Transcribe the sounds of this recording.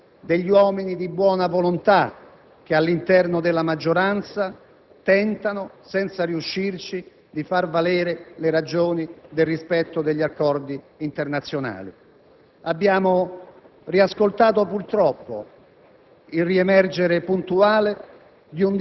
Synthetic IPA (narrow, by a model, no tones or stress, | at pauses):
d̪eʎːiwɔːminid̪ibwɔːnavolont̪a | k̟ealːint̪ɛrnod̪ɪlːamad͡ʒːoɾant̪sa | t̪ɛnt̪anosɛnt̪saɾiuʃːirt͡ʃi | d̪ifarvalɛːɾeleɾad͡ʒoːnid̪elrispɛt̪ːod̪eʎːiakːɔrd̪iːnt̪ernat̪sːjona̰ːlḭ | abːjaːmo | riaskolt̪aːt̪opurt̪ɾɔpːo̰ | ilriemɛrd͡ʒeɾepunt̪uaːle | d̪iun